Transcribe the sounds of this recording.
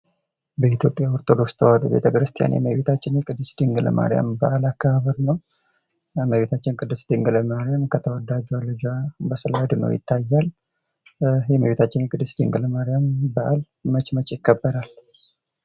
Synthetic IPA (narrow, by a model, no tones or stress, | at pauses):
bəit̪ʰjo̞pʼjaɔɾt̪ʰʼo̞d̪o̞kst̪ʰəwad̪ṵbḛt̪ʰəkɾɨst̪ʰija̰njɛ̰məβet̪ʰat͡ʃːɪnjɛkʼɨd̪ːɨsd̪iŋɡələ̰mʔa̰ɾɪja̰mbəʔalakʰːəhaβəɾnəw | məβet̪ʰat͡ʃːɪnkʼɨd̪ːɨsd̪ɨŋɡɨləmaɾijamkʰət̪ʰəwəd̪ad͡ʒalːɨd͡ʒabəsɨlaad̪ɨnə̰wjɪ̰t̪ʰːajːal | jɛməβet̪ʰat͡ʃːɪnjɛkʼɨd̪ːɨsd̪ɨ̰ŋɡləmaɾijambəʔalː | ət͡ʃʼmət͡ʃʼjɪkːəbːəɾal